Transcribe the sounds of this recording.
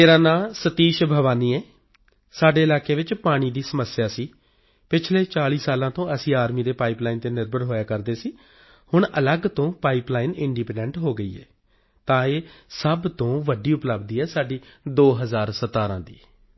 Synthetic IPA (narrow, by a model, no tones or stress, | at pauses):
eːɾãːnaːsət̪iːʃbʱəʋaːniːɛː | saːɖeːɪlaːkeːʋɪt͡ʃpaːɽ̃iːd̪iːsəməsjaːsiː | pɪt͡ʃʰleːt͡ʃaːliːsaːlãːt̪õːəsĩːaːɾmiːd̪eːpaːiːplaːiːnt̪eːnɪɾbəɾɦoːjaːkəɾd̪eːsiː | hʊɳələɡt̪õːpaːiːplaːiːnɪɳɖiːpɛ̃ɳɖəɳʈɦoːɡəiːɛ̰ː | t̪ãːeːsəbt̪õːʋəɖiːʊpləbd̪iːɛːsaːɖiːd̪oːɦəzaːɾsət̪aːɾãːd̪ḭː